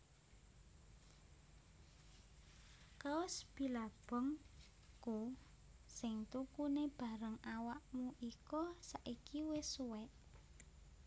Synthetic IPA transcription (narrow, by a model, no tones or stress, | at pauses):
kaɔsb̥i̤lab̥ɔ̤ŋ | ku | sɪŋt̪ukuneb̥a̤ɾəŋawaʔmuʔikɔsaʔikʰiwɪsuwɛt̪̚